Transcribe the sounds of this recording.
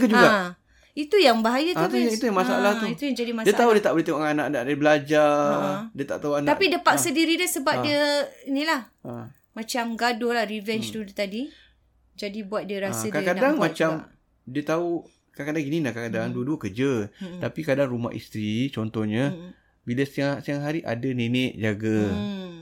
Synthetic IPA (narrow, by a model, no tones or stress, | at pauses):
kəd͡ʒuɡa | it̪ujaŋbaɦajat̪at̪it̪ujaŋmasaalaht̪uit̪ujaŋd͡ʒadimasdiət̪aɦudiət̪aʔbəlit̪eŋaanaʔnaʔdaɾibəlad͡ʒadiət̪a̰ʔt̪auanaaʔpidəpak̪̚sədiɾidəsəbap̚diəinilah | mãt͡ʃamɡadolahrivɛnt͡ʃt̪udt̪adi | d͡ʒadibuat̪̚diəɾasədkakadadaŋmat͡ʃam | diət̪au | kakadaŋɡinilahkakadaŋduəduəkərd͡ʒət̪apikadaŋɾuma̰ʔḭst̪ɾit͡ʃɔnt̪ɔhɲa | biləsiasiaŋɦaɾiʔa̰dənenɪʔd͡ʒaɡa